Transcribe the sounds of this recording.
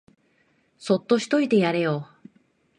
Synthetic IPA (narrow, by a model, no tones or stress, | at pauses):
so̞t̪ːo̞ɕi̥t̪o̞it̪e̞jaɾe̞jo